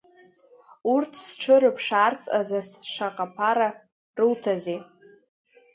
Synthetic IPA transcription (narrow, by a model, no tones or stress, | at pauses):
urtʰsʈ͡ʂʰɨɾɨpʰʂaːrt͡sʼazasʂaqʼapʰaɾa | rɨltʰaze